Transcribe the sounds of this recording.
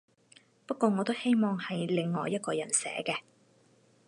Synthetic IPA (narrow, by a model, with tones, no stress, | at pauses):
pɐ˥t̚kʷːɔː˧ŋɔː˨˧t̪o˥whe˥jmɔː˨ŋhɐ˨jlɪ˨ŋːɔː˨˧jːɐ˥t̚kɔː˧jɐ̰˨˩nsɛ̰ː˨˥kɛː˧